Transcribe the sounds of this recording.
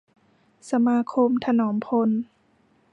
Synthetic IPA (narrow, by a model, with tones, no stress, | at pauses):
sa˧maː˧˥kʰo˧mt̪ʰa˧nɔː˩˦mpʰo˧n